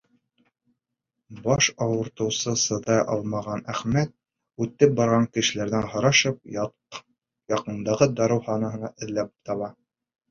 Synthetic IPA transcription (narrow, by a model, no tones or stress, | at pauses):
bɑʃɑwɤ̆ɾt̪ɤ̆wsɤsɤ̆ðɑjʔɑ̰lˠmɑʁɑnæχmæt̪̚ | ʉt̪ːɘp̚bɑɾʁɑŋkɘ̆ʃɘ̆læɾðænhɑɾɑʃɤp̚ | jɑqɤ̆nd̪ɑʁɤd̪ɑɾɤ̆whɑnɑɦɤ̆nɑʔɘ̆ðlæp̚t̪ɑβɑ